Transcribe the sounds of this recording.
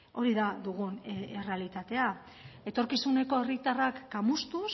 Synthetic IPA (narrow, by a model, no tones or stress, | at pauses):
o̞ɾiðaðuɣ̞unere̞alit̪at̪e̞a | e̞t̪o̞ɾkisune̞ko̞e̞rit̪arakːamust̪us